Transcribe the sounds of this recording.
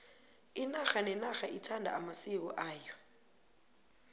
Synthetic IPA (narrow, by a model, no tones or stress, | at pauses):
inaxanɛnaxaʔitʰandʱa̰amasik̬ɔʔaːjɔ